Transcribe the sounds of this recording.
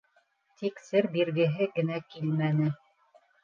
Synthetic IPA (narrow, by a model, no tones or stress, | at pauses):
t̪ʰiksɘɾbiɾɡɘ̆ɦɘɡɘ̆nækilmænɘ